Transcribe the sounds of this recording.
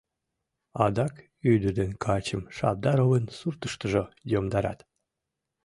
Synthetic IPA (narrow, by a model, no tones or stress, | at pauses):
ɑd̪ɑk | yd̪ərd̪enkʰɑt͡ɕəmʃɑ̰b̚d̪ɑɾovensurt̪əʃt̪əʒojomd̪ɑɾɑ̰t̪